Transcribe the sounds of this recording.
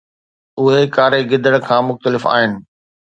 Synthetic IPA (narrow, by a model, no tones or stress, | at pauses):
ʊɦekaːɾeɡɪd̪ʱəɽ̃kʰãːmʊxt̪əlɪfa̰ːɦɪnɪ̆